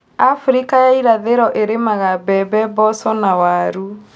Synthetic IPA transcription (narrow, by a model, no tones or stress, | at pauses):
afɾikajaiɾaðeɾɔʔeɾemaɣabɛbɛbɔsɔnawaɾu